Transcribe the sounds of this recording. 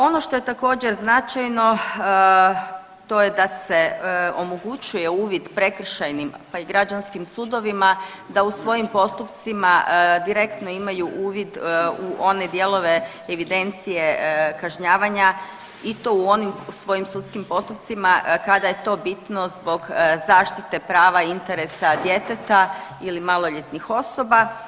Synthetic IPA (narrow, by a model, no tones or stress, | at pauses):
o̞no̞ʃt̪o̞je̞t̪ako̞ːd͡ʑeɾznat͡ʃajno̞ | t̪o̞je̞d̪ase̞o̞moɡut͡ɕuje̞uːʋid̪pɾe̞kr̩ʃajnimpaiɡɾad͡ʒanskimsud̪o̞ʋima | d̪ausʋo̞jimpo̞st̪upt̪simad̪iɾe̞kt̪no̞imajuʔuːʋid̪uʔo̞ne̞d̪je̞lˠo̞ʋe | eʋid̪e̞nt̪sije̞kaʒɲaːʋaɲa | it̪o̞uo̞nimsʋo̞jimsut̪skimpo̞st̪up̚t̪simakad̪aje̞t̪o̞bit̪no̞zbo̞ɡzaːʃt̪it̪e̞pɾaːʋaint̪eɾesad̪je̞t̪et̪ailimalˠo̞ʎet̪nixo̞so̞ba